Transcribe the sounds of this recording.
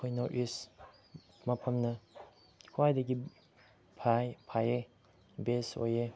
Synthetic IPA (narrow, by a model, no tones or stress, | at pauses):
kʰojnɔʔis | mapʰɐmnɐ | kʰuajdaɡi | pʰajpʰaje | beso̰je